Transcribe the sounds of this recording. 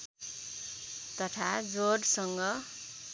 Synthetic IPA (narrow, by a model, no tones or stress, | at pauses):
t̪ʌt̪ʰad͡zoɾsʌŋɡʌ